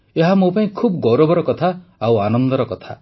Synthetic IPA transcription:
eɦamopaĩkʰubɡɔɾobɔɾɔkɔt̪ʰaawanɔnd̪ɔɾɔkɔt̪ʰa

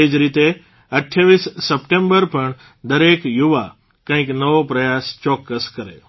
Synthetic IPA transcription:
ed͡ʒɾit̪e | əʈʰjaʋisːəpʈẽmbəɾpəɳ | d̪əɾekjuʋa | kãɦĩknəʋopɾəjast͡ʃɔkːəskəɾḛ

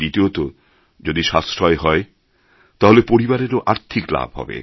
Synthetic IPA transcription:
ɾit̪iot̪o | d͡ʑod̪iʃast̪ʰɾɔeɦɔe | t̪aɦolepoɾibaɾeɾoʔaɾt̪ʰikla̰bʱɦɔ̰bḛ

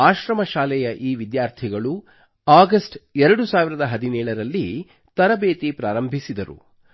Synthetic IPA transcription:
aːʃɾɐmɐʃaːlɛjɐʔiːʋid̪jaːɾt̪ʰiɡɐɭu | aːɡɐsʈɛɾɐɽusaːʋiɾɐd̪ɐɦɐd̪inɛːɭɐɾɐlːi | t̪ɐɾɐbeːt̪ipɾaːɾɐmbʱisid̪ɐɾṵ

